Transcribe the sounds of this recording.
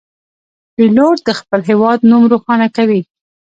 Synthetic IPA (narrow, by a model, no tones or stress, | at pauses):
piloɾd̪əxpəlɦewɑd̪numɾoxɑnakawi